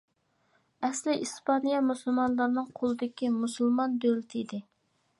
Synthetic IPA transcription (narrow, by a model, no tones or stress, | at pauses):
ɛslɪʔispɑnijɑmusulˠmɑnlˠɑɾnɨŋqʰolˠɨd̪ɪkʲimusulˠmɑnd̪ølɪt̪ʰɪid̪ɪ